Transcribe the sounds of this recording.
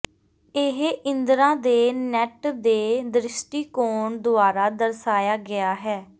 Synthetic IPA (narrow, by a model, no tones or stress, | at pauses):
ɪɦɪ̃nd̪ɾãːd̪eːnɛːʈd̪eːd̪ɾɪsʈiːkoːɳd̪ʊaːɾaːd̪əɾsaːjaːɡɪaːɦɛː